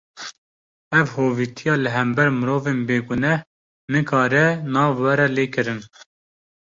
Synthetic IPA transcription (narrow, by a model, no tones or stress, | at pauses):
ɛvhoːviːt̪ʰijɑːlɨɦɛmbɛɾmɨɾoːveːnbeːɡʊnɛh | nɨkʰɑːɾɛnɑːvwɛɾɛleːkɨɾɨn